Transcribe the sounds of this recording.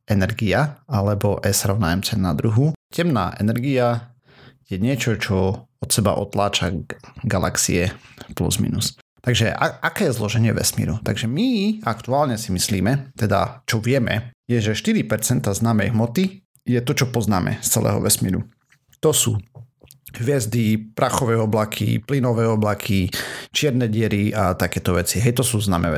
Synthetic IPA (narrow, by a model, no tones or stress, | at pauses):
ɛnɛɾɡiaalɛbɔʔɛsɾɔʊnajɛmt͡sɛnːad̪ɾuɦucɛmna̰ːʔɛnɛɾɡia | jɛɲɪɛt͡ʃɔt͡ʃɔɔt̪sɛba̰ʔɔt̪laːt͡ʃaɡala̰ksḭɛplṵzmḭnus | t̪aɡʒɛaakɛːjɛzlɔʒɛɲɪɛʋɛ̰smḭːɾut̪aɡʒɛmiakt̪uaːlɲɛsimisliːmɛt̪ɛd̪a̰t͡ʃɔʋɪɛmɛ̰jɛʒɛʃt̪iɾipɛɾt͡sɛnt̪aznaːmɛjɦmɔt̪i | jɛt̪ɔt͡ʃɔpɔznaːmʔɛ̰st͡sɛ̰lɛ̰ːɦɔ̰ʋɛsmḭːɾṵ | t̪ɔsṵː | ɦʋɪɛzd̪ipɾaxɔʋɛːɔblakʰḭplinɔʋɛːɔblakʰit͡ʃɪɛɾnɛɟɪɛɾiat̪akɛːt̪ɔʋɛt͡siɦɛjt̪ɔsuːznaːmɛ̰ɛ